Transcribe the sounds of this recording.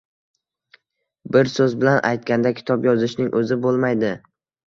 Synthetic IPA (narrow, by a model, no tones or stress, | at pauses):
bɪɾsɵzbɪlanʔa̰jt̪̚kʲand̪akʲʰɪ̥t̪ʰɒpjɒzɪʃnɪŋʔɵzɪbolˠmajd̪ɪ